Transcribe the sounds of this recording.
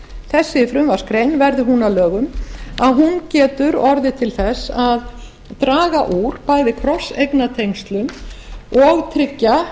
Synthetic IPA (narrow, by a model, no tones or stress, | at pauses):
θɛsːɪfɾʏmvaskɾejnvɛɾðɪɦunalœːɣʏmaðɦuncɛːt̪ʏɾɔɾðɪt̪ʰɪlθɛsað | t̪ɾaːɣaʔuɾ̥paːjðɪkʰɾɔsejknat̪ʰejŋst̪lʏmɔɣt̪ʰɾɪcːa